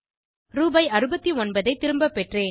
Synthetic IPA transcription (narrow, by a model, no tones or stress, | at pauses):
ɾuːbɐɪɐɾɯbɐt̪ːiɔnbɐðɐɪt̪ːɪɾɯmbɐpːɛʈreː